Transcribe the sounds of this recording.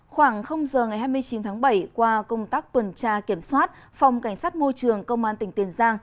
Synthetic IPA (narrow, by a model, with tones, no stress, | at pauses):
xwaː˧˩ŋxə˧wŋ͡mzəː˨˩ŋa˨˩jɦaː˧jmɨ˧əjt͡ɕi˨˦nt̪ʰaː˨˦ŋɓə˧˩jkwaː˧kə˧wŋ͡mt̪aː˦˥k̚t̪wə˨˩nt͡ɕaː˧ki˧˩əmswaː˦˥t̚ | fa˨˩wŋ͡mka˧˩jŋ̟saː˦˥t̚mo˧jt͡ɕɨ˨˩əŋkə˧wŋ͡mmʔaː˧nt̪ï˧˩ŋ̟t̪i˨˩ənzaː˧ŋ